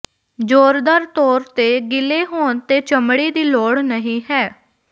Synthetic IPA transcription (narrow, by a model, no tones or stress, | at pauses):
d͡ʒoːɾd̪əɾt̪ɔːɾt̪eːɡɪleːɦoːnt̪eːt͡ʃəmɽiːd̪iːloːɽnəɦĩːɦɛː